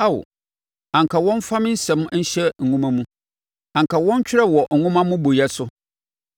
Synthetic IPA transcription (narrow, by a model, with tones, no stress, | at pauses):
a˦˨w̰ | ã˨ŋ˨kʰa˨wɔ̃˦n˦fã˦m˦n̩˦sɛ̃˨˦m˦n̩˦ɕɛ˦ŋ̩˨ũ˦mã˦mũ˦ | ã˨ŋkʰa˨wɔ̃˦ɲ˦t͡ɕᶣɪ˦ɾɛ˦wɔ˨ŋ̩˨ŋʊ̃˦mã˦mʊ̃˦bo˨jɛ˦sʊ˦